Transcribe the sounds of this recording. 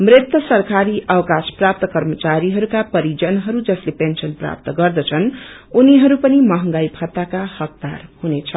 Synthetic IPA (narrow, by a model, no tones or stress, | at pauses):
mrɪt̪wʌsʌrkaɾiʔʌwkasprap̚t̪ʌkʌrmʌt͡saɾiɦʌɾukapʌɾid͡zʌnɦʌɾud͡zʌslepensʌnpra̰p̚t̪ɡʌrd̪ʌt͡sʰʌnuniɦʌɾupʌnimʌɦʌŋɡajbʱʌt̪ːakahʌk̚d̪arhunet͡sʰʌ